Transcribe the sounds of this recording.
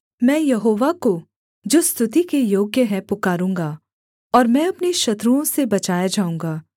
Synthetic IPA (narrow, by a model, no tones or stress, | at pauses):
mɛ̃ːjɐɦoːʋako | d͡ʒoːst̪ʰʊt̪ikejoːɡjəɦɛ̃pʊkaːɾũːŋɡaː | ɔːɾmɛ̃ːɐpniʃɐt̪ɾuõsebɐt͡ʃaːjad͡ʒaːũŋɡaː